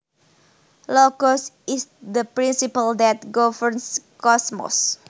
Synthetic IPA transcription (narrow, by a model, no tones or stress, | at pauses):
lɔɡɔsisd̪əpɾĩnsipəld̪ɛt̪̚ɡɔvəɹnskɔsmɔ̰s